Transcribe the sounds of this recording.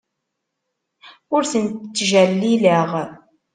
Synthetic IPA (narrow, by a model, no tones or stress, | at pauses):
ʊɾθənt̪t͡sːʒælːiləʁ